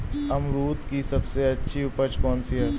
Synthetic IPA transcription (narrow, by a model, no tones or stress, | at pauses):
ɐmɾuːt̪kisɐbseɐtːʃʰiʊpət͡ʃkɔːnsiɦɐ